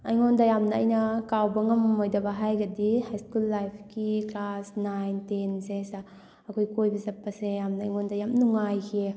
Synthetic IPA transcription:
ɐjŋɔndɐjamnɐɐjnɐkawbɐŋɐmːojdɐbɐɦajɡɐdihajskulːajpʰkiklasnajntensesa | ɐkʰojkojbizɐpːɐsejamnɐːjŋɔndɐjamnuŋajkʰe

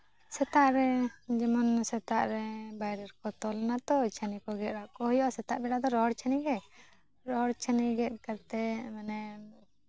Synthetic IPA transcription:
sɛt̪aʔɾɛd͡ʒɛmɔnsɛt̪aʔɾɛbajɾɛɾkɔt̪ɔlnat̪ɔt͡ʃʰanikɔɡɛt̪̚ɾaʔkɔɦɔjɔʔsɛt̪aʔbɛɽad̪ɔɾɔɦɔɽt͡ʃʰaniɡɛ | ɾɔɦɔɽt͡ʃʰəniɡɛt̪̚ˀkaɾt̪ɛmanɛ

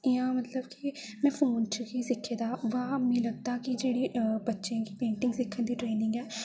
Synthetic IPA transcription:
ɪãːmət̪ləbkɪ | mɛ̃ːpʰoːnt͡ʃʰʊkiːsɪkʰːeːd̪aːʋaːmĩːləɡ̚d̪aːkɪd͡ʒeːɽiːbətːʃẽːkipẽːɳʈɪ̃ŋɡsɪkʰːənd̪iːʈɾeːnɪ̃ŋɡɛː

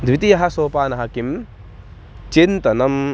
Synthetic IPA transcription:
d̪ʱʋit̪ijɐɦɐsoːpaːnɐɦɐkim | t͡ʃint̪ɐnɐm

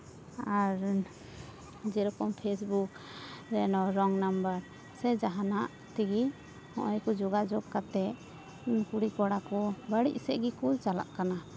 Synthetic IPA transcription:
aɾ | d͡ʒɛɾɔkɔmpʰes̬buk | ɾɛnɔɾɔŋnambəɾ | sɛd͡ʒaɦanaʔ | t̪iɡi | hɔ̰̃ʔɔjkɔd͡ʒɔɡad͡ʒɔɡkat̪ɛ | kuɽikɔɽakɔbəɽḭʔsɛʔɡikɔt͡ʃala̰ʔkana

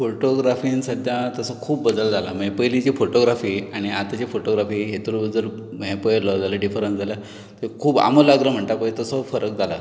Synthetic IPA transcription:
foʈoɡɾafiːnsəd̪ʱjãt̪əsəkʰuːbːəd̪əld͡zʱalamepəjlit͡ɕifoʈoɡɾafiːaɽ̃iat̪at͡ɕifoʈoɡɾafiːɦet̪uɾbəd͡zəɾmepəjɾlɔd͡zaləɖifəɾənsd͡zʱalja | t̪ekʰuːba̰məlaɡɾəm̤əɳt̪apəjt̪əsəfəɾək̚d͡zʱala

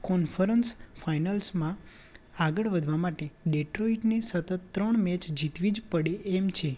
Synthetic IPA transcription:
kɔnfəɾənsfʰajnəlsmã | aɡəɭʋəd̪ʱʋamaʈeɖeʈɾoiʈnesət̪ət̪ːɾəɳmɛt͡ʃd͡ʒit̪ʋid͡ʒpəɽeʔːmt͡ʃʰe

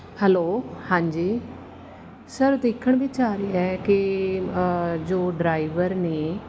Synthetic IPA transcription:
hɛloːhãːɲd͡ʒiː | səɾd̪ɪːkʰːəɳbɪt͡ʃaːɾeːɛːkɪ | d͡ʒoːɖɾaːɪʋəɾneː

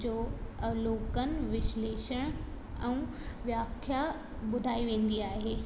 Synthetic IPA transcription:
d͡ʑoːloːkənɪ̆ʋɪʃleːʃəɽ̃ | ɛ̃ũ | ʋjaːkʰja | ɓʊd̪ʱaːiʋẽːnd̪iaːɦeː

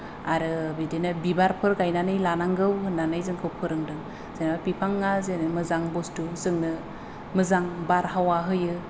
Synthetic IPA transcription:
aɾɯbidinɯbibaɾpʰɯɾɡajnanɯjlanaŋɡɯwhɯnːanɯjzɯŋkʰɯwpʰɯɾɯŋdɯŋ | z̥enbapipʰaŋːazenɯmɯzaŋbɔstuzɯŋnɯ | mɯzaŋbaɾɦawaɦɯjɯ

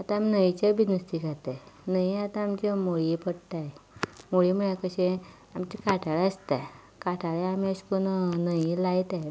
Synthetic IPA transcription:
at̪ãaminəjt͡ɕabinəst̪ikat̪anəiat̪ãamt͡ɕemoɭipəɽʈ̪ajmoɭiməɭjakəɕẽ | amt͡ɕikaʈaɭeəst̪aj | kaʈʰaɭeamiəɕkunnəjlajt̪aj

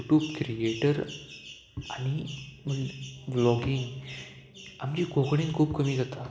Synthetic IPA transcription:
uʈjuːbkɾieʈəɾ | anim̤əɡʋlɔɡiŋɡ | amd͡ʑiːkokɳenkʰuːbkəmiːd͡zat̪a

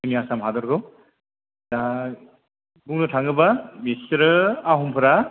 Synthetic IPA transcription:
ɯmiasamɦadɔɾɡɯ | da | ɡuŋnɯtʰaŋɯbamisɾɯaɦumpʰɯɾa

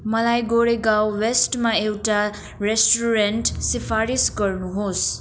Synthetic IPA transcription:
mʌlajɡoɾeɡawwesʈmaewʈa | ɾesʈuɾenʈsipʰaɾisɡʌɾnuɦos

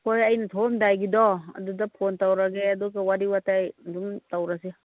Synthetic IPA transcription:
kojɐjnatʰɔmdajɡidɔɐ̰dudapʰontawɾaɡeaduɡawaɾiwatajduŋtawɾasi

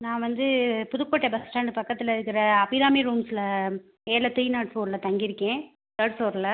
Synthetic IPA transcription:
nãːʋɐnd̪ɯpʊðʊkːoːʈːɐbɐsʈaːɳɖɯpɐkːɐt̪ːɪlɐɪɾɯkːɪɾɐːbiɾaːmiɾuːmslɐ | eːlɐt̪ijnaːʈfoːɾlɐt̪ɐŋɡɪɾɯkːẽː | t̪ɐɽsoːɾlɐ

